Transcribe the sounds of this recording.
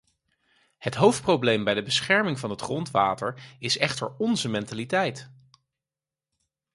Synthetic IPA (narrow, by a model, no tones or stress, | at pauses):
hətɦowft̚prowblejmbɛjdəbəsχɛɹmɪŋvɑnɦətχrɔntʋaːtəɹɪsɛχtəɹɔnzəmɛntalitɛjt